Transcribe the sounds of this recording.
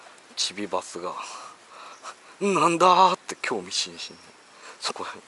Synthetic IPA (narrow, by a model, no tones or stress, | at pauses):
t͡ɕibʲibasɨɡa | nãnd̪at̪ːekʲʰo̞ːmʲiɕĩɰ̃ɕĩnd̪e | so̥ko